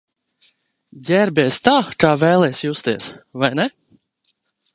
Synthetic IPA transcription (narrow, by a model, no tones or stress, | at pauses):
ɟʲæɾbʲɛːst̪aːkaːvɛːlˠɛjsjust̪iɛsvajnɛ